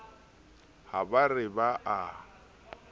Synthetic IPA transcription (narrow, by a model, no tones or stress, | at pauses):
habarɪbaʔa